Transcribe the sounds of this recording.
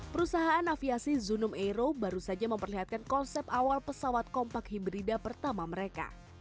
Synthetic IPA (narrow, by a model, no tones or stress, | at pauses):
pəɾusaɦaːnːafiasizunʊmeɾobaɾusad͡ʒaməmpərliɦat̪̚kankɔnsɛp̚awalpəsawat̪̚kɔmpakhibɾidapərt̪amaməɾeka̰